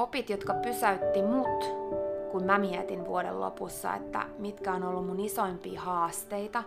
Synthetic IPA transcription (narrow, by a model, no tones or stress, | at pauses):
opit̪jot̪kɑpysæyt̪ːimut̪kummæmiɛt̪inʋṵoɾḛllo̰pusːɑ̰ḛt̪ːæ̰mit̪kæonolːummunisoimpiːhɑːst̪eit̪ɑ